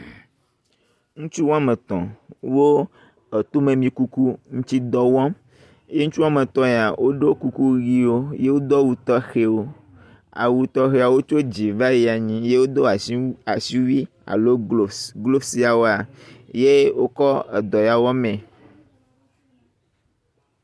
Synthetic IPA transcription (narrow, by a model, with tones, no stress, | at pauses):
ŋũ˦t͡ʃu˦wɔ̃˦a˦mẽ˨t̪ɔ̰̃˨wo˦ | e˨t̪o˦mẽ˨mĩ˨ku˦ku˦ŋũ˦t͡ɕi˦d̪ɔ˦wɔ̃˦ | je˦ŋũ˦t͡ʃu˦a˨mẽ˨t̪ɔ̃˦je˨a˨wʔo˦ɖe˦ku˦ku˦ɣi˦wo˦je˦wo˦d̪ɔ˦wu˨t̪ɔ˦xe˨wo˦ | a̰˨wu˨t̪ɔ˦xe˨a˨wo˦t͡ʃo˦d͡ʑi˨va˦ji˨a˨ɲĩ˦je˦wo˦d̪o˦a˨sa˨si˦wi˦ | a̰˨lo˦˨ɡlo˦si˦a˨wo˦a˨je˦wo˦kɔ˦e˨d̪ɔ˨ja˨wɔ̃˦mɛ̃˨